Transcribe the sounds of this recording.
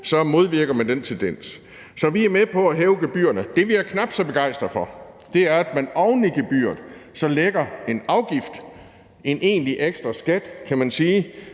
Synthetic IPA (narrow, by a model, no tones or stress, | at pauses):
sɒ̽mo̝ð̞ˠʋiɐɡ̥ɐmænd̥ent͡sʰend̥en̰s | sɒ̽ʋiæɐmepʰɒ̽æɦɛːʊɡ̥eb̥y̰ːɐnəd̥e̝ʋiæɐkʰnɑ̈b̥d̥sɒ̽b̥e̝ɡ̥ɑ̈ɪ̰sd̥ʁɐfɒ̽ | d̥e̝æɐæd̥mænɒʊnliɡ̥eb̥y̰ːɐð̩ˠsɒ̽leɡ̥ɐe̝nɑ̈ʊɡ̥ifd̥ | e̝nʔe̝̰ːnliʔeɡ̥sd̥ʁɐsɡ̥æd̥kʰæmænsiː